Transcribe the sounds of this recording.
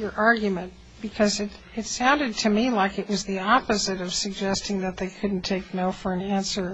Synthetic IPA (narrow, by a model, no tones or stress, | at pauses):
ə˞ʔɑɹɡjmɨ̃n | b̥ɨkʰʌzɨɾ | ɨtsãʊ̃ndɨd̚tʰɨmilaɪkɨʔ̚wʌzðiɑpɨzɨɾʌv̥sɨɡ̚d͡ʒɛstɪ̃ŋðɨt̪̚ðeɪkʰʊdⁿn̩tʰeɪk̚noʊfə˞ɨ̃næ̃nsə˞